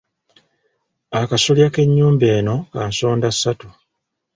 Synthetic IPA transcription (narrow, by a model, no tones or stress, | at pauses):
akasoljake̞ɲːuːmbeːno̞kaːnso̞ːndasːatu